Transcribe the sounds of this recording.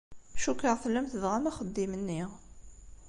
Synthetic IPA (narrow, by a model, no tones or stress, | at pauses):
ʃukːəʁθəlːæmθəðʁamæχəd̪ːimənːɪʁ